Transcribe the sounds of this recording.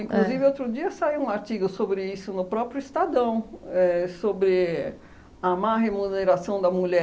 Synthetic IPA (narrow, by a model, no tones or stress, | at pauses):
ĩŋkluzivɪowt̪ɾʊd͡ʒiɐsaiwũaɾt͡ʃiɡʊsobɾɪisʊnʊpɾɔpɾjʊist̪ad̪ɐ̃w̃ɛsobɾɪ | amaɦemuneɾasɐ̃w̃d̪ɐmuʎɛ